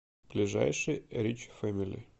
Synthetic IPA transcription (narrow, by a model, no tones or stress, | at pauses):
b̥lʲɪʐa̰jʂɨjɾʲit͡ɕfamʲilʲɪ̰